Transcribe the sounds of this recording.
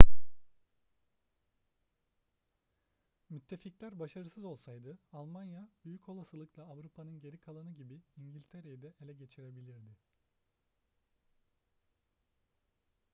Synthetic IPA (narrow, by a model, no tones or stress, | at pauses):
myt̪ʰːe̞ficlʲæɾbaʃaɾɯsɯzo̞lˠsajd̪ɯalˠmanjab̥yjycʰo̞lˠasɯlˠɯklˠaːvɾupʰanɯnɟe̞ɾikʰalˠanɯɟibiiɲɟilʲt̪ʰeɾejid̪ɛʔelʲɛɟe̞t͡ʃʰiɾe̞bilʲiɾd̪ɪ